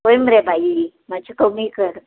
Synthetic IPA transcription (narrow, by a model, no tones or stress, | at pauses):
ɦojməɾebʱai | mat͡ɕʰikəmikəɾ